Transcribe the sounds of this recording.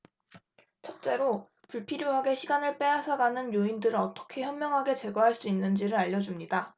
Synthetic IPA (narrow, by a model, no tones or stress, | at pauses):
t͡ɕʰʌt̚t͡ɕ͈e̞ɾo | puɭpʰiɾjoɦaɡe̞ɕʰiɡanɯɭp͈e̞asʰʌɡanɯnjoindɯɾɯʌt͈ʌ̥kʰe̞çjʌmmjʌŋɦaɡe̞t͡ɕe̞ɡʌɦaɭs͈uinːɯnd͡ʑiɾɯɾaʎːʌd͡ʑumɲida